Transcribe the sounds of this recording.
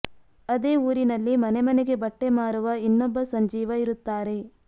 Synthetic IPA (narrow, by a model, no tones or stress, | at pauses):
ɐd̪e̞ːuːɾinɐlːimɐnemɐneɡe̞bɐʈːe̞maːɾuʋɐinːɔbːɐsɐɲd͡ʒiːʋɐiɾut̪ːaːɾe̞